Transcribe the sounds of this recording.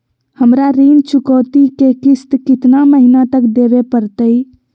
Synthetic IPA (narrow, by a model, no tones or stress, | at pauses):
həmɾaɾint͡ʃʰukəwt̪ikekist̪kit̪naməɦinat̪əkd̪ebepəɾt̪əj